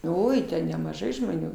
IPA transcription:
ˈoːɪ tʲɛn nʲɛmɐˈʒɐɪ ʒmoːˈnʲuː

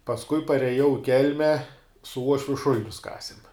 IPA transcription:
pɐsˈkʊɪ pɐrʲɛˈjɛʊ ɪ ˈkʲɛlʲmʲɛ sʊ ˈuɔʃʲʋʲʊ ˈʃʊlʲɪnʲʊs ˈkɑːsʲɪm

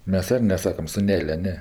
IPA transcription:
ˈmʲɛs ˈɪr nʲɛˈsɑːkɐm sʊˈnʲæːlʲoː ˈnʲɛ

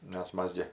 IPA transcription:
nʲɛs ˈmɐs ɡʲɪ

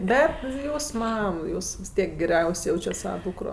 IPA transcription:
ˈbʲɛt ˈjuːs ˈmɐm ˈjuːs ʋʲɪs ˈtʲiɛk ɡʲɛˈrʲɛʊsʲ ˈjɛʊt͡ʃʲɛt ˈsɑːʋɐ ˈduːkroː

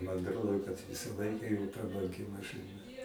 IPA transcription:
mɐn ɐtˈroːdoː kɐt ˈʋʲɪsɐ ˈlˠɐɪkɐ joː prɐbɐŋʲˈɡʲɪ mɐʃɨˈnɐ

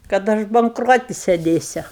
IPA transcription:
kɐt ˈɐʃ bɐŋkˈroːtʲɪ sʲɛˈdʲeːsʲʊ

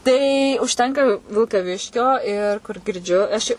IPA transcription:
ˈtɐɪ ʊʃʲˈtʲɛŋkɐ ʋʲɪlˠkɐˈʋʲɪʃʲkʲoː ˈɪr kʊr ɡʲɪrʲˈd͡ʒʲʊ ɐʃ ˈɪ

